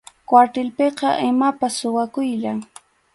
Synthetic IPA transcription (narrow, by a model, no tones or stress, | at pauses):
kwaɾt̪ɪlpeqɑʔɪmapasːʊwakʊjʎaŋ